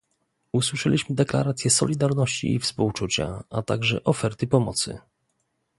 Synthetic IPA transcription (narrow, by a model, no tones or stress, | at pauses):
uswɘʂɛlʲiɕmɘd̪ɛkla̰ɾat̪sʲjɛsɔ̰lʲid̪aɾnɔɕt͡ɕḭːfspuwt͡ʂut͡ɕa̰at̪a̰ɡʐɛ̰ʔɔfɛɾt̪ɘpɔmɔt̪sɘ̰